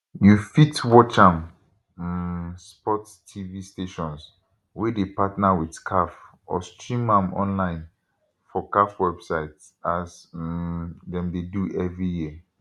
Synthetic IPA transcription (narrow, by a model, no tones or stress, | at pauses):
jufitwɔt͡ʃãm | spɔt | tʰːivisteʃɔ̃ns | wɛdepatnawidkʰaf | ɔ̰stɹĩmãmɔ̰̃nlãɪ̃n | fɔkafwɛbsaɪt | as | dɛ̃mdeduʔɛvɹijiə